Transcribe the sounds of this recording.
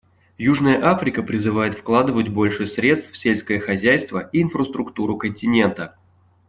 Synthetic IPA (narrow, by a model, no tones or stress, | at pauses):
juʐnəjəʔafɾʲɪkəpɾʲɪzɨvajɪt̪fklˠad̪ɨvətʲbo̞lʲʂɨsɾʲe̞t̪st̪fsʲelʲskəjəxɐzʲæjst̪vəʔiːnfrəst̪ɾʊkt̪uɾʊkənʲtʲɪnʲe̞nt̪ə